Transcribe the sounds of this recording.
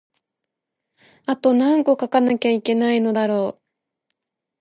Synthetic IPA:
at̪o̞nãŋko̞kakanakʲaike̞naino̞d̪aɾo̞ː

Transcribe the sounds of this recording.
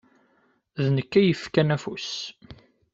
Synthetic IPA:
ðnəkːæjəfkænæfus

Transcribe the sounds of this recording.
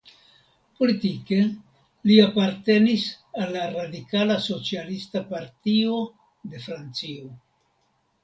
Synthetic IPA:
po̞litike̞ | liapaɾte̞nis | alːaɾadikalaso̞t͡sialistapaɾtio̞ | de̞fɾant͡sio

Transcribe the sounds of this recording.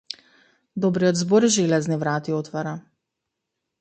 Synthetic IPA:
d̪ɔbɾiɔd̪zboɾiʒelɛznivɾat̪iot̪vaɾa

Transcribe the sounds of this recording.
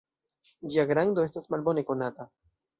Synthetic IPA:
d͡ʒiaɡɾando̞e̞stasmalbo̞neko̞nata

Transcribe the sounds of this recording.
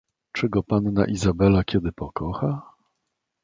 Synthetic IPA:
t͡ʂɘɡɔpanːa̰ʔizabɛlakʲɛd̪ɘpɔkɔxa

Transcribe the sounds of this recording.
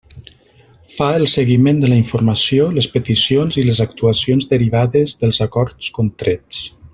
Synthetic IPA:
faəlˠsəɣimend̪ələiɱfuɾmasjoləspət̪isionziləzak̚t̪uasonzðəɾiβ̞aðəzðəlˠzakɔɾt͡skont̪ɾet͡s

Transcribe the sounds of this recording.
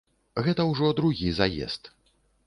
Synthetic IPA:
ɣɛt̪ɐwʐɔd̪ɾuɣʲizajɛ̰st̪

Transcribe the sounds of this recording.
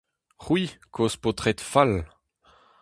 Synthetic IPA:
ʁwikʰospot̪ʁɛt̪fal

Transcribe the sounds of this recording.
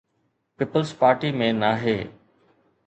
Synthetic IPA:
piːpəlspaːɾʈimẽnaːɦeː

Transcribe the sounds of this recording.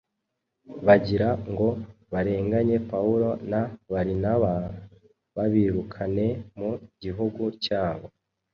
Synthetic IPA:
βaɟiɾaŋɡo̞βaɾe̞ːŋɡaɲe̞pauɾo̞naβaɾinaβa | βaβiːɾukʰane̞muɟiɦuɡucaːβo̞

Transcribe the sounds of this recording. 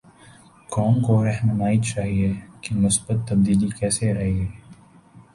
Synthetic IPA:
kɔːnkoɾɛɦnɐmaːit͡ʃaːɦiekimʊsbət̪ːɐb̚d̪iːlikɛːseɾɐɦiɦɛː

